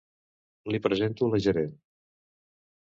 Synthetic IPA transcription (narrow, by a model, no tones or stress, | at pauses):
lipɾəzent̪uləʒəɾen